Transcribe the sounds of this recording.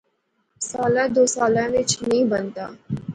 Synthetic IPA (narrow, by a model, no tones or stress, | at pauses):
saːlad̪oːsaːlãʋɪt͡ʃnɐɦĩbɐnt̪a̰ː